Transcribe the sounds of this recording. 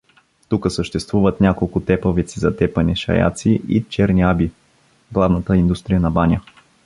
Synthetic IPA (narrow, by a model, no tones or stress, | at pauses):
t̪ukəsəʃt̪ɛst̪vuvət̪nʲakolˠkʊt̪ɛpəvɛt̪sizɐt̪ɛpəniʃɐ̰ja̰t̪siʔḭt͡ʃɛɾniabi | ɡlˠavnət̪əind̪ust̪ɾijənɐbanʲə